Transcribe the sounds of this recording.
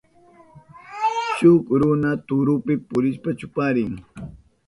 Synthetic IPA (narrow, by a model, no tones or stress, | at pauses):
t͡ʃʊkɾʊnat̪ʊɾʊpɪpʊɾɪʃpat͡ʃʊpaɾɪŋ